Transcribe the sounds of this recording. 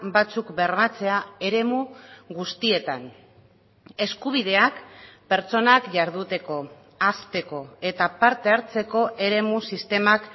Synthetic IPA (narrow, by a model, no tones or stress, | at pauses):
bat͡sukbe̞ɾβat͡se̞ae̞ɾe̞muɣust̪ie̞t̪an | e̞skuβ̞ið̞e̞akpe̞ɾt͡so̞nakʝaɾðut̪e̞ko̞ | ast̪e̞ko̞e̞t̪apaɾt̪e̞aɾt͡se̞ko̞ʔe̞ɾe̞musist̪e̞mak